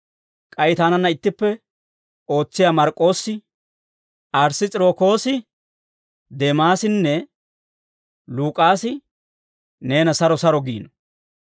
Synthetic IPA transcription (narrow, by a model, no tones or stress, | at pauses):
kʼɐjɪt̪aːnɐnːɐɪt̪ːɪpːɛ | o̞ːt͡sːɪjaːmɐɾkʼːo̞ːsːɪ | ʔɐɾsɪt͡sʼɪɾo̞ːko̞ːsɪ | d̪emaːsɪnːɛ | luːkʼaːsɪ | ne̞ːnɐsɐɾɔsɐɾɔɡiːnɔ̥